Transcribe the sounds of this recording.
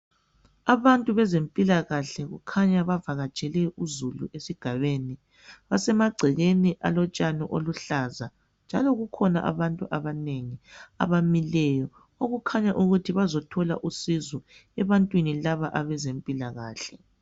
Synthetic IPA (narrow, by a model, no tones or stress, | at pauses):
aβantʼuβɛzempʼilaɣaɬɛɣṵkʰaɲaβavaɣat͡ʃʼɛlɛuzulṵʔesiɡ̥ʱaβeni | βasɛmaɡ͡ǀʱiɣeniʔalɔt͡ʃʼanɔʔoluɬaza | nd͡ʒʱalɔɣukʰɔna̰ʔa̰βantʼuʔaβaneŋia̰βamilɛjɔ | oɣukʰaɲaʔuɣutʰiβazɔtʰɔla̰ʔusizɔɛβantʼwinilaβaʔaβɛzempʼilaɣa̰ːɬɛ